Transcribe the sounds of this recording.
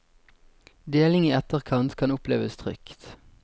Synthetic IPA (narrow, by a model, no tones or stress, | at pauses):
d̪eːlɪŋiːɛt̪əʁkʰɑnt̪kʰɑnʊplḛːʋəst̪ʰʁʏ̰kt̪